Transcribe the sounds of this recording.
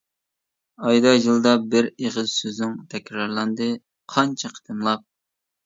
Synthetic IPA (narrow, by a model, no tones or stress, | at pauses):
ɑjd̪ɑʒɨlˠd̪ɑbɪɾeʁɨzsøzɪŋt̪ʰɛkʲɾɑɾlˠɑnd̪ɨ | qʰɑnt͡ʃʰɛqʰə̥t̪ʰɨmlˠɑp̚